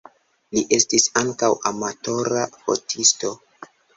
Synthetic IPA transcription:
liʔe̞stisaŋkawʔamato̞ɾafo̰tʰisto̞

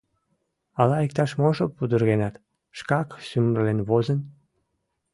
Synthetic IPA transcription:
ɑlɑik̚t̪ɑʃmoʒopud̪urɣenɑt̪ | ʃkɑksymərlenβozən

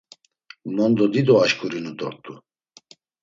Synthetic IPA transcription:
mɔnd̪ɔd̪id̪ɔaʃkʼuɾinud̪ɔɾt̪ʼu

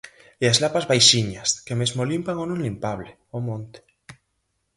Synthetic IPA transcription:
iaszlapazβajʃiɲaskemezmolimpaŋonũŋlimpaβ̞le | omõnt̪e̥

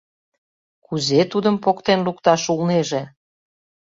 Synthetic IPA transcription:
kuzet̪ud̪əmpokt̪enlukt̪ɑʃulneʒe

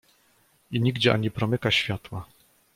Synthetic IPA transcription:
iɲiɡd͡ʑɛʔa̰ɲipɾɔmɘkaɕfʲjat̪wa

